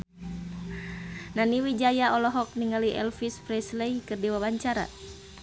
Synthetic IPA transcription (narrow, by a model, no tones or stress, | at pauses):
naniwid͡ʒajaɔlɔɦɔk̚niŋaliʔɛ̰lfispɾɛsleikɨrdiwabaɲt͡ʃaɾa̰